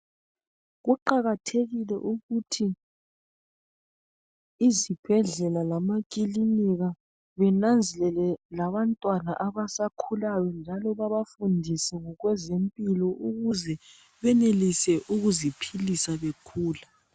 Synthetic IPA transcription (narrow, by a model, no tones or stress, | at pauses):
ɣuǃaɣatʰeɣilɛ̰ʔuɣutʰi | zib̥ʱɛɮɛlalamakʼiliniɣa | βɛnand͡zʱɛlɛlɛlaβantʼwanaʔaβasakʰulajɔnd͡ʒʱalɔβaβafundʱisɛŋɔɣwɛzempʼilɔʔuɣuzɛ | βɛnelisɛʔuɣuzipʰilisaβekʰuːla